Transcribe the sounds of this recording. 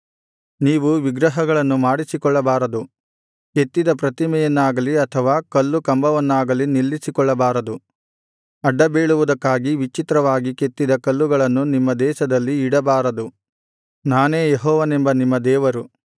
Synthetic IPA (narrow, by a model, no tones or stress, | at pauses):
niːʋuʋiɡɾɐɦɐɡɐɭɐnːumaːɽisikɔɭːɐbaːɾɐd̪u | ke̞t̪ːid̪ɐpɾɐt̪imɛjɐnːaːɡɐliɐt̪ʰɐʋaːkɐlːukɐmbɐʋɐnːaːɡɐlinilːisikɔɭːɐbaːɾɐd̪u | ɐɖːɐbeːɭuʋud̪ɐkːaːɡiʋit͡ʃit̪ɾɐʋaːɡike̞t̪ːid̪ɐkɐlːuɡɐɭɐnːunimːɐd̪ɛːʃɐd̪ɐlːiːɽɐbaːɾɐd̪u | naːne̞ːjeɦɔːʋɐnembɐnimːɐd̪ɛːʋɐɾu